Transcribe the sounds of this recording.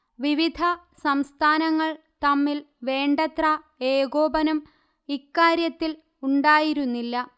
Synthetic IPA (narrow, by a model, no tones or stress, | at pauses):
ʋiʋid̪ʱɐ | sɐmst̪ʰaːnɐŋːɐɭ | t̪ɐmːilʋe̞ːɳɖɐt̪ra | eːɡoːbɐnɐm | ikːaːɾjɐt̪ːil | uɳɖaːjiɾunːilːɐ